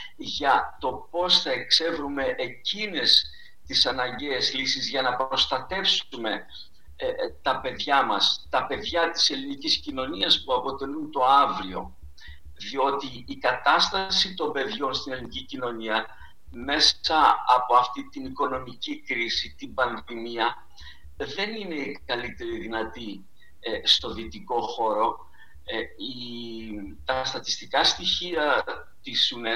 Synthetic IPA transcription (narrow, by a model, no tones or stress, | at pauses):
ʝɐt̪o̞po̞sθɐe̞kse̞vɾume̞ʔecine̞s | t̪isɐnɐɲɟezlisizʝɐnɐpo̞st̪ɐt̪e̞fsume̞ | t̪ɐpe̞ðʝɐmɐst̪ɐpe̞ðʝɐt̪i̥se̞liniciscino̞niɐspuɐpo̞t̪e̞lunt̪o̞ɐvɾio̞ | ðio̞t̪iːkɐt̪ɐst̪ɐsit̪o̞mbe̞ðʝo̞nst̪ine̞linicicino̞niɐ | me̞sɐːpo̞ɐft̪it̪iniko̞no̞micikɾisit̪imbɐnðimiɐ | ðe̞nine̞kɐlit̪e̞ɾiðinɐt̪i | st̪o̞ðit̪iko̞xo̞ɾo̞ | i | t̪ɐst̪ɐt̪i̥st̪ikɐst̪içiɐ | t̪isune